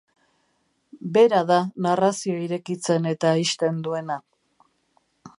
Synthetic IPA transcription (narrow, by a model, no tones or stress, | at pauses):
be̞ɾaðanarasioiɾe̞kit͡se̞ne̞t̪aːiʃt̪e̞nd̪ue̞na